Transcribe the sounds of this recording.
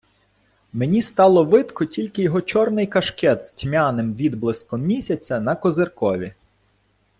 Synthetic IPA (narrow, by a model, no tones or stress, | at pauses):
menʲist̪ɑlˠɔʋɪt̪kɔtʲilʲkɪjɔɦɔt͡ʃɔrnɪjkɐʃkɛd̪z̥tʲmʲanɪmʋʲid̪blˠɪskɔmmʲisʲɐt͡sʲɐnɐkɔzerkɔʋʲi